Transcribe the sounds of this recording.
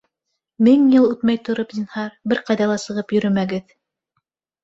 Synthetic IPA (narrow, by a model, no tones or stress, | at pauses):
mɘŋjɤlˠʉt̪mæjt̪ŏɾopzinhɑɾbɘɾqɑjðɑlˠɑsɤ̆ʁɤpjɵ̆ɾɵ̆mæɡɘð